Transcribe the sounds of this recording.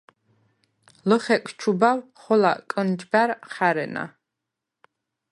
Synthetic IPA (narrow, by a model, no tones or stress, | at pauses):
lɔχɛkʰʼt͡ʃʰubawχɔla̰kʼənd͡ʒɡaɾχaɾɛna̰